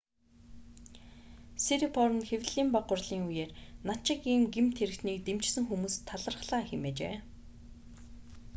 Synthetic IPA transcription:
seɾipʰɔɾə̆nxewʲɮ̥iːmpaʁʊ̆rɮiːŋujeːrnat͡ɕɪ̆kiːmɡemt̪ʰeɾɘ̆kt̪niːk̚t̪emt͡ɕsɘ̆ŋxumuːst̪ʰːaɮə̆rχɮaːxemeːt͡ɕḛː

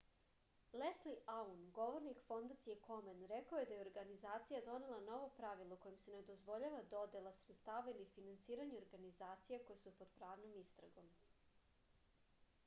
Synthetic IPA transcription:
lesliaunɡo̞ʋo̞ɾnikfo̞nd̪at̪sije̞ko̞menɾekaoje̞d̪ajeoɾɡanizaːt̪sijad̪o̞ne̞lˠano̞ʋo̞pɾaʋilˠoko̞jimse̞ned̪o̞zʋo̞ʎaʋad̪o̞d̪elˠasɾet̪st̪aːʋailifinansiːɾaɲeoɾɡanizaːt̪sijeko̞jesupod̪pɾaːʋnomist̪ɾa̰ɡo̞m

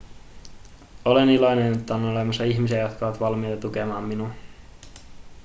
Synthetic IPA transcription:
olenilonenet̪ːæonolemɑsːɑiçmisiæjot̪kɑoʋɑt̪ʋɑlmijt̪ɑt̪ukemɑːmːinun

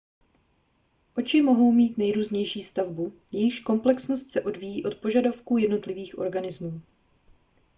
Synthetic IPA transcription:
ʔo̞t͡ʃɪmo̞ɦo̞wmiːt̪nɛjɾuːzɲɛjʃiːst̪avbujɛjɪxʃko̞mplɛksno̞st̪sɛʔo̞dviːjiːʔo̞t̪̚po̞ʒadafkuːjɛdno̞t̪lɪviːxʔo̞ɾɡanɪzmuː

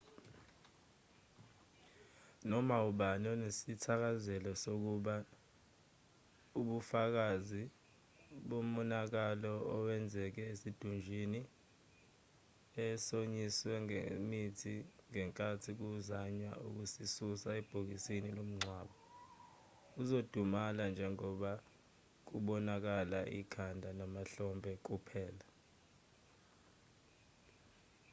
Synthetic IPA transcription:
nɔmauɓanɔnesitʰak̬azɛlɔsok̬uɓa | uɓufak̬azi | ɓom̩ɔnak̬alɔɔwɛnd͡zʱɛk̬ɛesid̥ʱund͡ʒʱini | ɛsoɲiswɛŋḛmitʰiŋɛŋkʼatʰik̬uzaɲwa̰ṵk̬usisusaɛb̥ʱok̬isinilom̩ŋ͡ǀʱwaːɓɔ | uzod̥ʱumaland͡ʒʱɛŋɔɓa | k̬uɓɔnak̬alaʔḭkʰandʱanamaɬɔmbʱɛk̬ʼupʰɛːla

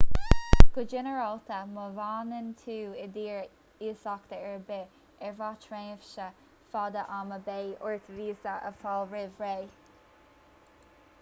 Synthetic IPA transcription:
ɡ̥ʊd͡ʒɪnəɹɑlt̪əməvaːnənt̪ʰuːɪd̪iːɹ | iːsɑkt̪əɛɹbɪ | ɛɹvɑːtʰɹeəfʃə | fɑːd̪əʔaːməbeːʔʊɹt̪əviːsəʔə̰fɑlɹɪvɹeː

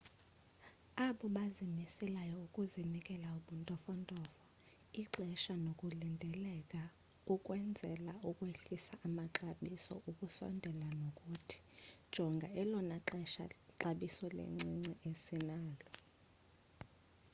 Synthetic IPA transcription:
aɓɔɓazimisɛlajɔukʼuzinikʼɛlauɓuntʼɔfɔntʼɔːfɔ | iǁɛʃanokʼulindʱɛlɛkʼa | ukʼwɛnd͡zʱɛlaʔukʼweɬisaʔamaǁaɓisɔ̰ʔukʼusɔ̰ndʱɛlanokʼutʰi̥d̥ʒ̥ʱɔŋɡʱaɛlɔnaǁɛʃa̰ǁaɓisɔlḛŋ͡ǀiŋ͡ǀɛʔesinaːlɔ

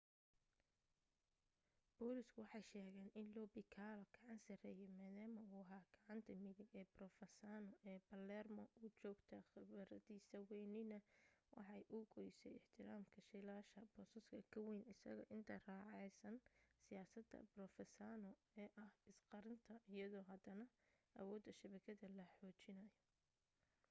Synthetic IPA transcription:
b̥ɔːlɪskʰʊwɑħɑjʃɛːɣɛːnʔɪnlɔːbɪkʰaːlɔɡ̥ɑʕɑnsɐrɛːjɛmaːðaːmɐʊːɦaːɡ̥ɑʕɑnt̪ʰɐmɪðɪɡɛːbrɔfɛsaːnɔʔɛːbɐlɛrmɔʔʊt͡ʃɔːɡt̪ʰɐχɪβɐɾɐðiːsɐwɛjnɪnɐwʔɑ̰ħɑjʔʊɡɔjsɛ̰jɪħt̪ʰɪɾaːmkʰɐʃɪlaːʃɐbɔsɐskʰɐkʰɐwɛjnɪsɐ̰ɣɐʔɪnt̪ʰɐraːʕɑjsɐnsɪjaːsɐd̪ɐ̰brɔfɛsaːnɔ | ɛːʔɐhɪsqɑɾɪnt̪ʰɐɪjɐðɔːɦɐd̪ɐnɐʔɐ̰wɔːd̪ːɐʃɐβɐkʰɐðɐlɐħɔːt͡ʃɪnɐjɔ

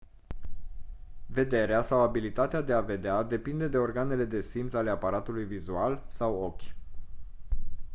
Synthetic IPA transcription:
ve̞d̪e̞ɾeasawabilit̪at̪ead̪e̞ave̞d̪ead̪e̞pind̪e̞d̪e̞o̞rɡane̞le̞d̪e̞simt̪sale̞apaɾat̪ulujvizualsawo̞kʲ

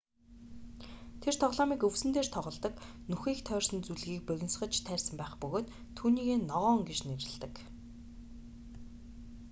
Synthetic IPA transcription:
t̪ʰer̥t̪ʰɔʁɮɔːmiːkɵwsɘ̆nt̪eːr̥t̪ʰɔʁɞ̆ɮt̪ə̆k | nuxiːkt̪ʰœːrsə̆nt͡suɮɣiːk̚pœɣʲɪ̆nsχə̆t͡ɕt̪ʰæːrʲsə̆mpæːχpɵɣoːt̪ʰːuːniːɣeːnɔʁɔːŋɡet͡ɕneɾɪ̆ɮt̪ə̆k

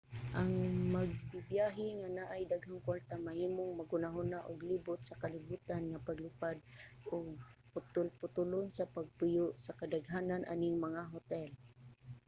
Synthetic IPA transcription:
ʔaŋmaɡ̚bɪbjaɦɪŋanaʔajd̪aɡɦaŋkwaɹt̪amahiːmʊŋmaɡʊnaɦʊnaʔʊɡlibʊt̪̚sakalɪbuːt̪anŋapaɡlʊpad̪̚ʔʊɡ̚pʊt̪ʊlpʊt̪ʊlʊnsapaɡ̚pʊjʊʔsakad̪aɡɦaːnanʔa̰nɪŋmaŋaɦʊt̪ɛl

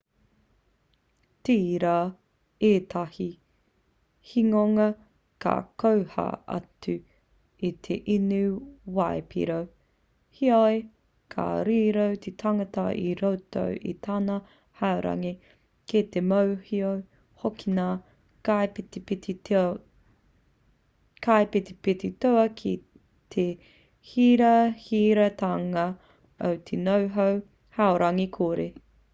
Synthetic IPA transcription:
tiɾaː | eːtʰahi | hiŋoŋɐ | kʰa̰kowha̰ɐ̰tʉ | it̪ʰeʔinʉwaepḭɾow | hiaj | kʰa̰ɾiːɾowt̪ʰet̪ʰɐŋɐtɐʔiɾowtʰo̰wʔḭt̪ʰaːnɐ | haoɾɐ̰ŋi | ket̪emowhiow | hokʰina | kajptipiti | kʰajpit̪ipititoɐkʰi | t̪ʰe | hiɾɐhiːɾɐt̪aŋɐ | o̰wt̪ʰenowɦow | haoɾɐŋikʰoːɾe

